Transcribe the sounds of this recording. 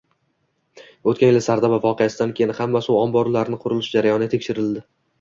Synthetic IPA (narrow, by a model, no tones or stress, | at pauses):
ot̪kʲanjɪlɪsaɾd̪abavɒqʰejasɪd̪ankʲʰe̞jɪnhamːasɪʊɒmbɒɾlaɾɪnɪqʰʊɾɪlɪʃd͡ʒaɾajɒnɪɡʲat̪ʰekʲʃɪɾɪld̪ɪ